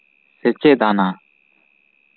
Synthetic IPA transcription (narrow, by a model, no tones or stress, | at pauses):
set͡ɕeʔt̪ana